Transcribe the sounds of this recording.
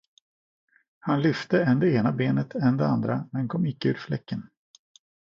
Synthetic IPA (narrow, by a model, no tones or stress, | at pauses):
hanlʏft̪əɛnd̪ɛeːnabeːnət̪ʰɛnd̪ɛand̪ɾamɛnkʰɔmːɪkːəʉːɾflɛkːən